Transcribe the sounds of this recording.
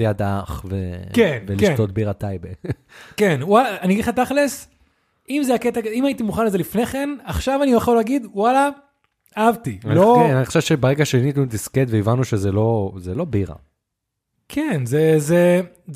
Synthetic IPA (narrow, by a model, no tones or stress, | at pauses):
jad̪aχvḛkenvelieʃt̪o̞t̪̚biʁat̪ajbe | kenwalaːniaɡid̪χat̪aχles | imzeaket̪aimait̪imuχanlezelifneχe̞naχʃavanioaχolaɡid̪wala | aavtiloenaniχoʃevt͡ʃebeʁeɡaʃenit̪nudisket̪veivanuʃezelo̞zelo̞biʁa̰ | kʰenzeze